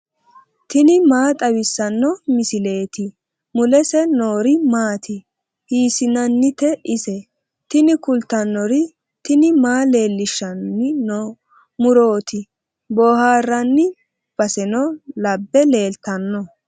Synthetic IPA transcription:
t̪ɪnɪmaːt̪ʼɐwɪsːɐnːɔmɪsɪle̞ːt̪ɪ | mʊlɛsɛnoːɾɪmaːt̪ʰɪ | hiːsɪnɐnːɪt̪ɛʔɪsɛ | t̪ɪnɪkʊlt̪ːɐnːɔɾɪ | t̪ɪnɪmaːle̞ːlːɪʃːɐnːɪno | mʊɾo̞ːt̪ɪ | boːhaːrːɐnːɪ | b̥ɐsɛnɔlɐbːɛle̞ːlt̪ːɐnːɔ

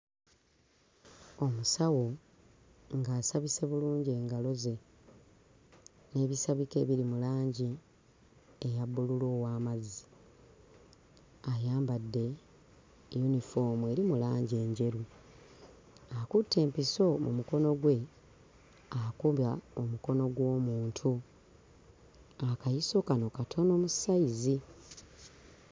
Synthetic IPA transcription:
o̞musawo̞ | ŋɡaːsaβise̞βuluːɲɟe̞ːŋɡalo̞ze̞ | ne̞ːβisaβike̞̰ːβiɾimulaːɲɟi | ejabːululoːwaːmazi | ajaːmbadːe̞ | junifo̞ːmue̞ɾimulaːɲɟe̞ːɲɟe̞ɾu | akutːe̞ːmpiso̞mṵmuko̞no̞ɡwe̞ | akujaomuko̞no̞ɡwo̞ːmuːntʰu | akajiso̞kano̞katʰo̞no̞ːmusaizi

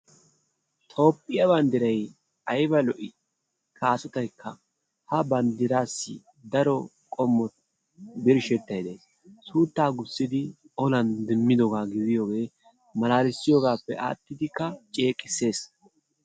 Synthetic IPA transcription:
t̪ʰʼo̞ːpʼːɪjɐbɐnd̪ɪɾɐj | ɐjbɐlɔʔɪ | kʰaːsʊt̪ɐjkːɐ | hɐbɐnd̪ɪɾaːsːɪ̰ | d̪ɐɾɔkʼɔmːɔt̪ | bɪɾʃɛt̪ːɐjd̪e̞ːs | suːt̪ːaːɡʊsːɪd̪ɪ | ɔlɐnd̪ɪmːɪd̪ɔɡaːɡɪd̪ɪjo̞ːɡe̞ː | mɐlaːlɪsːɪjoːɡaːpːɛ̰ʔa̰ːt̪ːɪd̪ɪkːɐt͡ʃʼe̞ːkʼɪsːe̞ːs

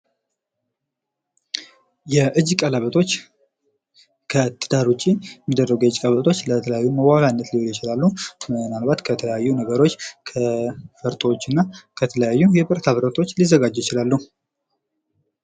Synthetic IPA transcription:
jɛʔɨd͡ʒkʼələβət̪ʰo̞t͡ʃː | kʰət̪ʰɨd̪aɾut͡ʃʼːiɛmːid̪ːərːəɡujɛɨd͡ʒkʼəβət̪ʰo̞t͡ʃːlət̪ʰələjajːuməɡaβanːət̪liholjɪt͡ʃɪlalːumənalbat̪kʰət̪ʰələjajːunəɡəɾo̞t͡ʃːkʰəfəɾt̪ʼot͡ʃːɪnːakʰət̪ʰələjajːujɛbəɾt̪ʰaβəɾət̪ʰʼo̞t͡ʃːlizːəɡad͡ʒːjɪt͡ʃɪlalːu

